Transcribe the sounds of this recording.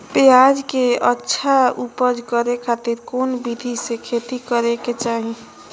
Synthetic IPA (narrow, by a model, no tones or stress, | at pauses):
pejaːd͡ʒkeətːʃʰaupəd͡ʒkəɾekʰaːt̪iɾkoːnbid̪ʱisekʰeːt̪ikəɾeket͡ʃaːɦĩ